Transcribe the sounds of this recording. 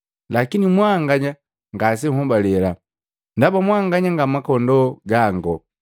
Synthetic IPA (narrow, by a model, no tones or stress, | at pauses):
lakinimwaŋɡaɲa | ŋɡas̬ɛŋ̩hɔbalɛla | ndabamwaŋɡaɲaŋɡamakɔndɔɡaŋɡɔ